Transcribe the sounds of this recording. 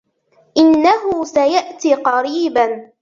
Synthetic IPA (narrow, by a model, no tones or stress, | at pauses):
ʔɪnːaɦʊsajaʔt̪iːqɑɾiːban